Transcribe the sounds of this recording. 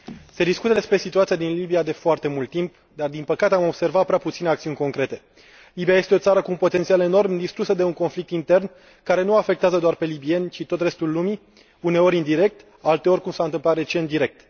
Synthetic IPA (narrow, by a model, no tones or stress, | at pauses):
se̞d̪iskut̪əd̪e̞spɾe̞sit̪uat̪sijad̪inlibijad̪e̞foart̪e̞mult̪ːimp | d̪ard̪inpəkat̪eamo̞b̥se̞rvat̪̚pɾeaput̪sineakt̪siunʲko̞ŋkɾe̞t̪e̞ | libijaje̞st̪eo̞t̪saɾəkuumpo̞t̪e̞nt̪siale̞no̞rmd̪ist̪ɾusəd̪e̞uŋko̞nflik̚t̪int̪e̞rn | kaɾe̞nuafe̞k̚t̪eazəd̪oarpe̞libie̞nʲt͡ʃit̪o̞t̪re̞st̪ulːumi | une̞o̞ɾʲind̪iɾe̞k̚t̪ | alt̪eo̞rʲkumsaɨnt̪ɨmplat̪re̞t͡ʃe̞nt̪d̪iɾe̞k̚t̪